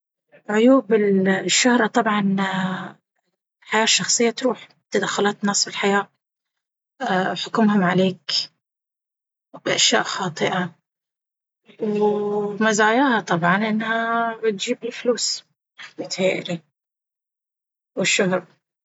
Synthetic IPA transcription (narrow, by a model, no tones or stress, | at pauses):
ʕʊjuːbɪlʃːʊhɾˤɑt̪ˤɑbʕɑn | ħajaːʃːɑxsˤɨjːat̪ɾuːħ | t̪ːad̪axːʊlɑːt̪nːɑːsˤfɪlħajaː | ħʊkʊmhʊmʕaleːk | bɪʔaʃjaːʔxɑːt̪ˤɨʔa | w | mazaːjaːhat̪ˤɑbʕɑnʔɪnːhabɪt̪̚d͡ʒiːbɪlfluːs | mʊt̪heːʔɪɾi | wɪʃːʊhɾˤ